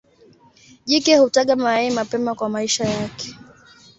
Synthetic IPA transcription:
ʄikɛhutaɠamaɛɛmapɛmakwamaiʃajakɛ̥

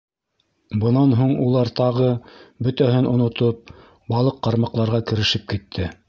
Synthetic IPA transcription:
bɤ̆nɑnɦuɴulˠɑɾt̪ɑʁɤbɵt̪æɦɘnʔŏnŏt̪op̚ | bɑlˠɤqːɑɾmɑqlˠɑɾʁɑkɘ̆ɾɘ̆ʃɘp̚kit̪ʰːɘ

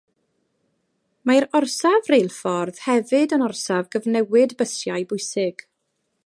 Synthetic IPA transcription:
majɾɔrsavrejlˠfɔrð̥hɛvɨdənɔrsavɡəvnɛwɪdbəsjajbʊjsɪɡ̥

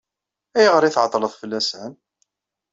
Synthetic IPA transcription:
æjəʁəɾˤiθʕət̪ˤːləðˤfəlːæsæn

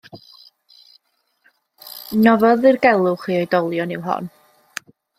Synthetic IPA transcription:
nɔvɔðɨrɡɛlˠʊχwiːɔjdɔlˠjɔnɪwɦɔ̰n

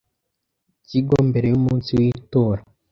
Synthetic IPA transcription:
ciɡoːmbe̞ɾejumuːnsiwiːtoːɾa

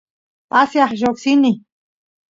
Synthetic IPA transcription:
asjɑχʒoksini

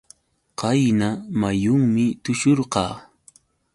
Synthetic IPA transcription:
qɑjnamajʊŋmɪt̪ʊʃoɾqɑː

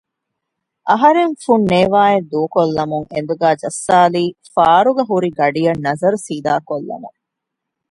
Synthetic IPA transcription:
ʔɐɦɐɾeŋfunːeːʋaːed̪uːkolːɐmuŋend̪uɡæːd͡ʒɐsːaːliːfaːɾuɡɐɦuɾiɡɐɖijɐnːɐzɐɾusiːd̪aːkolːɐ̰mṵŋ

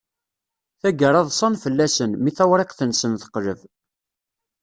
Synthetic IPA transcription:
θæɡəɾˤɑðˤsˤɑnfəlːæsənmiθæwɾˤeqθənsənθə̥qːləv

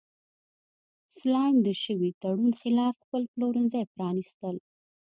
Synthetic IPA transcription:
slɑjmd̪əʃəwit̪aɽunxɪlɑfxpəlploɾənzəjpɾɑnist̪əl

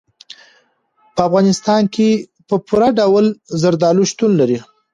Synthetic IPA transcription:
pəafɣɑnɪst̪ɑnkʰe | pəpuɾaɖawlzaɾd̪ɑluʃt̪unlaɾi

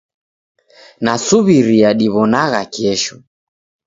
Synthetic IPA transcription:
nasuβiɾiaɗiβɔnaɣakiɛʃɔ

